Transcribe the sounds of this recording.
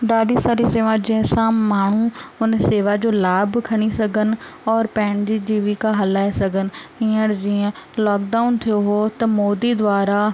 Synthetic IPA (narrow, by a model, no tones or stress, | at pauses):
d̪aːɖisaːɾiseːʋãd͡ʒiẽsãːmaːɳ̤ũːʊnseːʋad͡ʒoːlaːbkʰəɽ̃isəɡənɔːɾpɛ̃ːɳd͡ʒiːd͡ʒiːʋikaɦəlaːesəɡənĩːəɾd͡ʒiẽlɔːk̚ɖaːʊnt̪ʰioɦoːt̪ɐmoːd̪iːd̪ʋaːɾaː